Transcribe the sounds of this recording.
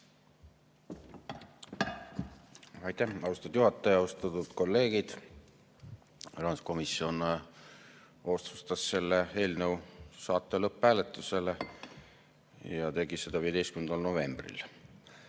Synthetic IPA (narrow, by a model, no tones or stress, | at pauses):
ɑjt̪ːæhɑwst̪ɑd̪̥juɦɑt̪ːˑɑjɑɑust̪ɑt̪ud̪̥ko̞lːe̞ːɡ̥id̪̥ | rɑnsko̞misio̞n | o̞st̪ust̪ɑsse̞lːee̞ːlnəwsɑːt̪ˑːelɤpːæːlet̪ːˑuse̞le | jɑt̪e̞ɡ̥ised̪̥ɑviːed̪e̞jst̪kymend̪ɑlno̞ve̞mb̥rḭl